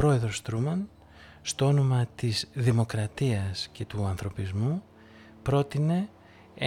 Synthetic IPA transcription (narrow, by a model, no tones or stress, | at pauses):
ɾo̞e̞ðɾo̞st̪ɾumɐn | st̪o̞o̞no̞mɐt̪izðimo̞kɾɐt̪iɐsce̞t̪uɐnθɾo̞pizmu | pɾo̞t̪ine̞ | e